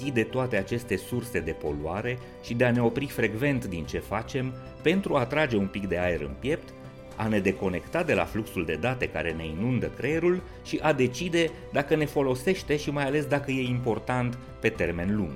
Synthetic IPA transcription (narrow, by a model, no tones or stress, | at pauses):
id̪e̞t̪oat̪e̞at͡ʃe̞st̪e̞surse̞d̪e̞po̞̰luaɾe̞ | ʃid̪e̞ane̞o̞pɾifɾe̞ɡve̞nt̪d̪int͡ʃe̞fat͡ʃe̞m | pe̞nt̪ɾuat̪ɾad͡ʒe̞unpikd̪e̞aeɾɨ̰npje̞p̚t̪ | a̰ne̞d̪e̞ko̞ne̞kt̪at̚d̪e̞la̰fluksuld̪e̞d̪at̪e̞ka̰ɾe̞ne̞inund̪əkɾe̞ɾul | ʃiʔad̪e̞t͡ʃid̪e̞ | d̪akəne̞fo̞lo̞se̞ʃt̪e̞ʃimajale̞sd̪akəje̞impo̞rt̪ant̪ | pe̞t̪e̞rme̞nlṵŋɡ